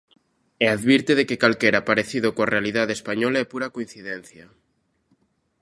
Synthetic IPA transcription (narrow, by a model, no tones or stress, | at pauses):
eaðβiɾt̪eðekekalkeɾapaɾeθiðokoarealiðaðespaɲolaepuɾakoĩn̟θiðenθja